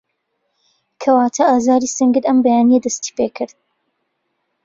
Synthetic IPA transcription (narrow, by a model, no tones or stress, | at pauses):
kʰɐwaːt̪ʰɐʔaːzaːɾisɨŋɡɨɾɐmbɐjaːnijɐd̪ɐst̪i̥pekʰɨɾd̪̚